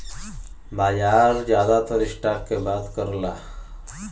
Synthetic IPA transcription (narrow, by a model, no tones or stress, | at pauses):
bajaɾd͡ʑjad̪at̪əɾisʈakːebad̪kəɾla